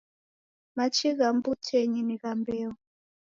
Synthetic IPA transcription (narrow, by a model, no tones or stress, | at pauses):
mat͡ʃʰiɣambutʰɛɲiniɣambɛɔ